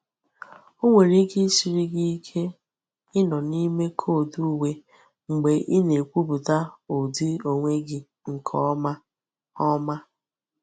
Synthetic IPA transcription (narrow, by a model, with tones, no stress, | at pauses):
o˦ŋʷe˨ɾi˦ki˦si˨ɾi˦ɡi˦kʰe˦ | ɪ˦nɔ˨ni˦me˦kʰo˦˨du˦we˦ | ŋ͡m̩˨ɡ͡be˨ʔɪ˦ne˨kʷu˦bu˨ta˦o˨di˦o˨ŋʷe˦ɡɪ˨ | ŋ̩˨kʰɔ̰˦ma˦ | ɔ˦ma˦